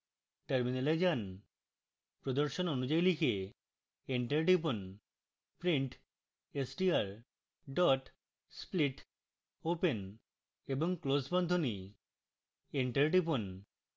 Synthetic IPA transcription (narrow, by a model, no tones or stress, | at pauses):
ʈeɾminaled͡ʑan | pɾod̪oɾʃononud͡ʑajlike | eɳʈeɾʈip̬on | pɾiɳʈ | esʈiaɾ | ɖɔʈ | spliʈ | open | eboŋklosbɔnd̪ʱoni | eɳʈeɾʈipon